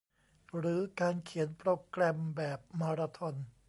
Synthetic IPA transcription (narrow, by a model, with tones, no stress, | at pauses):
ɾɯː˩˦kaː˧nkʰi˩˦npɾoː˧kɾɛː˧mbɛː˨˩p̚maː˧ɾaː˧t̪ʰɔ˧n